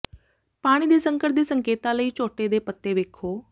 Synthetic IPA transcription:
paːɽ̃id̪eːsə̃ŋkəʈ̚d̪iːsəŋkeːt̪aləiːt͡ʃoːʈed̪eːpət̪ːeʋeːkʰoː

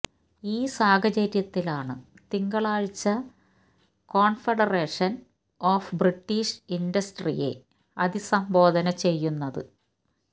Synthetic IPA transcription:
iːsaːɡɐt͡ɕɐɾjɐt̪ːilaːɳɨ | t̪iŋɡɐɭaːɻit͡ɕːɐ | ko̞ːɳfeɽɐre̞ːʂɐn | oːfbriʈːiːʂindɐsʈrḭje̞̰ | ɐd̪isɐmbo̞ːd̪ɐnɐt͡ɕe̞jːunːɐðɨ̰

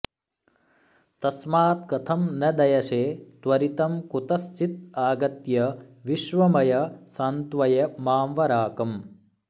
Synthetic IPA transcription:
t̪ɐsmaːt̪̚kɐt̪ʰɐmnɐd̪ɐjɐʃeːt̪ʋɐɾit̪ɐmkut̪ɐst͡ʃit̪̚aːɡɐt̪jɐʋiʃʋɐmɐjɐsant̪ʋɐjɐmaːmʋɐɾaːkɐm

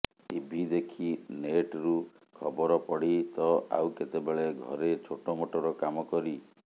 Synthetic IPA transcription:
t̪ibʱid̪ekʰineʈɾu | kʰɔbɔɾɔpɔɽit̪ɔa̰wket̪ebeɭeɡʱɔ̰ɾet͡ʃʰoʈɔmoʈɔɾɔkamɔkɔɾi

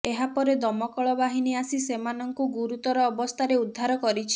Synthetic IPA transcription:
eɦapɔɾed̪ɔmɔkɔɭɔbaɦiniasisemanɔŋkuɡuɾut̪ɔɾɔːbɔst̪ʰaɾeud̪ʱːaɾɔkɔɾit͡ʃʰi̥

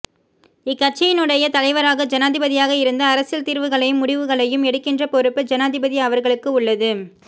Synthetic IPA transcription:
ɪkːɐʈ̚t͡ʃːɐjɪnɯɽɐjɐt̪ɐlɐɪʋɐɾaːɣɐd͡ʒɐnaːðɪbɐðɪjaːɣɐɪɾɯnd̪ɐːɾɐsɪlt̪iːɾʋɯɣɐɭɐjɯmːʊɽɪʋɯɣɐɭɐjɯmɛɽɯkːɪndrɐpɔɾɯpːɯd͡ʒɐnaːðɪbɐðiɐʋɐɾɣɐɭɯkːɯʊɭːɐðɯ

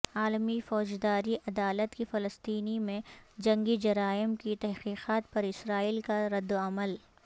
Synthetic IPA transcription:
aːlmifɔːd͡ʒd̪aːɾiʔɐd̪aːlət̪kifɐləst̪iːnimẽd͡ʒɐ̃ŋɡid͡ʒɐɾaːɪmkit̪ɛɦqiːqaːt̪̚pɐɾɪsɾaːiːlkaɾɐd̪ːoɐməl

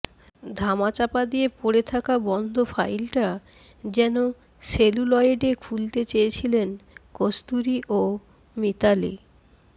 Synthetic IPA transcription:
d̪ʱamat͡ɕapad̪ijepoɾet̪ʰakabɔnd̪ʱofʰajlʈa | d͡ʑɛno | ʃelulɔjeɖekʰult̪et͡ɕejet͡ɕʰilenkost̪uɾiʔo | mit̪alḭ

